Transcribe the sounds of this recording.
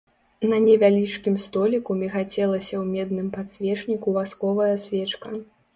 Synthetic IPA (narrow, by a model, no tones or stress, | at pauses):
nɐnʲɛvʲalʲit͡ʂkʲimst̪ɔlʲikumʲɛxat͡sʲɛlˠɐsʲɐwmʲɛd̪̚nɨmpat̪sʲvʲɛt͡ʂnʲikuvaskɔvɐjɐsʲvʲɛt͡ʂkɐ